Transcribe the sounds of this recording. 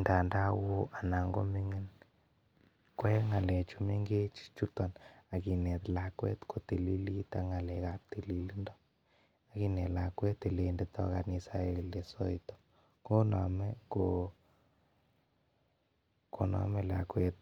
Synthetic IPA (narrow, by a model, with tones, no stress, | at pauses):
nda˨nda˦wo˦ʔa˨na˨ŋɡo̰˦mi˦ŋe˦n | kwɛ˦ŋa˨lɛ˨t͡ʃu˨me˦ŋɡe˦t͡ʃi̥˦t͡ʃu˦t̪ɔ˨na˨ki˨nɛ˨t̪la˨kwɛ̰˦t̪kʰo˨t̪e˨li˦li˦t̪a˦ŋa˨lɛ˨ka˦p̚t̪e˨li˨li˦ndɔ˦ | a˨ki˦nɛ˨la˨kwɛ˦t̪ːe˨le˦ndet̪ɔ̰˦ka̰˨ni˧sa˨e˨le˨sɔ˦it̪ɔ̥˨ | ko˦nɔ̰˨mɛ˦ko | ko˨nɔ̰˨mɛ˦la˨kwɛ˦t̪̚